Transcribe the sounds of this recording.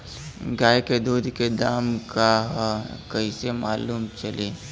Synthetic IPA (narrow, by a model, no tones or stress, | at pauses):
ɡaːjked̪uːd̪ʱked̪aːmkaɦkɐisemaːluːmt͡ʃɐleː